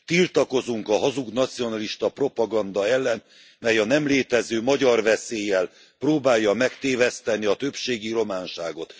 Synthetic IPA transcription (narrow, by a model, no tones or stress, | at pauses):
t̪ilt̪ɒko̞zuŋkɒɦɒzuɡnɒt̪sijo̞nɒliʃt̪ɒpro̞pɒɡɒnd̪ɒɛlːɛn | mɛjɒnɛmleːt̪ɛzøːmɒɟɒrvɛseːjːɛl | proːbaːjːɒmɛkt̪eːvɛst̪ɛniɒt̪ø̞pʃeːɡiro̞maːnʃaːɡo̞t̪